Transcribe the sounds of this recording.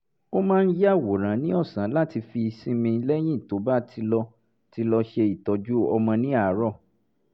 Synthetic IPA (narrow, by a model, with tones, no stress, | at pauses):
o˦mãː˦˧n̩˦ja˦˨wo˨ɾ̃ã˨˦nĩ˦ɔ˦˨sã˨˦la˦ti˧fi˧sĩ˦mĩ˧˦lɛ˦j̃ĩ˦˨to˨˦ba˦tʰi˧lɔ˧ | ti˧˦lɔ˧ʃe˧i˨tɔ˨˦d͡ʒu˦ɔ̰˧mɔ̃˧nĩ˦a˦˨˦ɾɔ˦˨